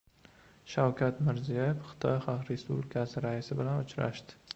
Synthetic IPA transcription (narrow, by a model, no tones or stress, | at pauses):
ʃawkʲʰat̪mɪɾzijajefχɨ̥t̪ʰɒjχɑqɾe̞spublɪkʲʰasɪɾaisɪbɪlanʊt͡ʃɾa̰ʃd̪̥ɪ̥